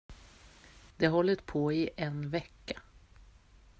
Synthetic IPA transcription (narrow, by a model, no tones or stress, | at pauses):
d̪̥ɛɦɔlːət̪pʰoːɪʔɛnvɛkːḁ